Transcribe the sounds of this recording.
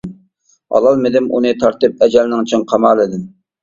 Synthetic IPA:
ɑ̰lˠɑlˠmɪd̪ɪmʔunɨt̪ʰɑɾt̪ɨp̚ɛd͡ʒɛlnɪŋt͡ʃʰɪŋqʰɑmɑːlˠɪd̪ɪm

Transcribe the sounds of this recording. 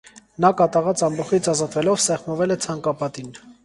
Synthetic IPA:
nɑkɑt̪ɑʁɑt͡sɑmbɔχit͡sʰɑzɑt̪vɛlɔvsɛχmɔvɛlɛt͡sʰɑŋkɑpɑt̪in

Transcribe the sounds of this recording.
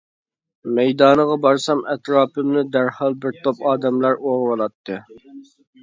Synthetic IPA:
mɛjd̪ɑːnəʁɑbɑɾsɑmʔɛt̪ɾɑːpʰɨmnɨd̪æɾhɑlˠbɪɾt̪ʰopɑːd̪ɛmlˠɑɾoɾwɑlˠɑt̪ʰːɨ

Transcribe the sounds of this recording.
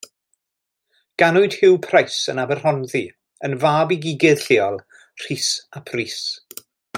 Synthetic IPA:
ɡ̥anʊɨd̥hɪwpʰrajsənabɛr̥ɔnði | ənvaːbiɡiɡɨð̥ɬɪɔlˠ | r̥iːsapʰriːs

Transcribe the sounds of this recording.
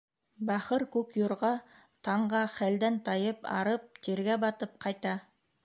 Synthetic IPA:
bɑχəɾkʲʰɵkjuɾʁɑ | t̪ʰɑɴʁɑχæld̪ænt̪ʰɑjəpɑ̰ɾəp̚t̪ʰeɾɡʲæbɑt̪əp̚qʰɑjt̪ɑ

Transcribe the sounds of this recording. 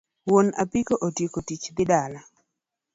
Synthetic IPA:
wonapikoʔotjekotit͡ʃd̪ɪdala

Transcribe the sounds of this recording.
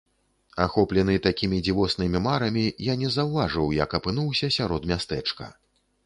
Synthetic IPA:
axɔplʲɛnɨt̪akʲimʲid͡zʲivɔsnɨmʲimaɾɐmʲijanʲɛzɐwvaʐɨwjɐ̰kɐpɨnuwsʲɐsʲaɾɔd̪mʲast̪ɛt͡ʂkɐ̰

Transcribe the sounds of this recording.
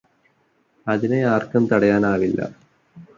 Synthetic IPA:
ɐðineaːrkɐmt̪ɐɽɐjaːnaːʋilːɐ̰

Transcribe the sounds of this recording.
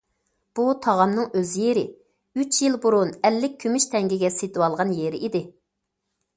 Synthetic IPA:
b̥ut̪ʰɑʁɑmnɨŋøzjeɾɪ̰ | yt͡ʃjilˠbuɾunɛlːɪk̚ʲʰːymyʃt̪ʰɛŋɡʲiɡʲɛset̪ʰɪwɑlˠʁɑnjeɾɪʔid̪ɪ

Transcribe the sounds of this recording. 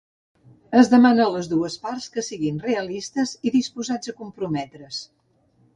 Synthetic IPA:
əzðəmanələzðuəspaɾskəsiɣinreəlist̪əziðispuzad͡zəkumpɾumɛt̪ɾəs

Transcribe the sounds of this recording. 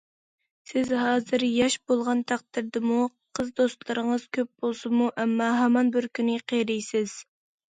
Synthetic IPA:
sɪzɦɑːzɨɾjɑʃbolˠʁɑnt̪ʰæq̚t̪ɪɾd̪ɪmuqʰəzd̪ost̪lˠɨɾəŋəz̥kʲʰøp̚b̥olˠsɨmuʔɛmːɑɦɛmɑnbɪɾkʲynɪqʰeɾijsɪz̥

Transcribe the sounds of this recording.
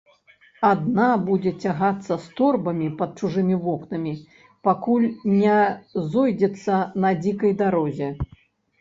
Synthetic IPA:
ad̪̚nabud͡zʲɛt͡sʲaɣat̪sːɐst̪ɔrbɐmʲipɐt̪̚t͡ʂuʐɨmʲivɔknɐmʲi | pakulʲnʲɛzɔjd͡zʲɛt̪sːɐnɐd͡zʲikɐjd̪aɾɔzʲɛ

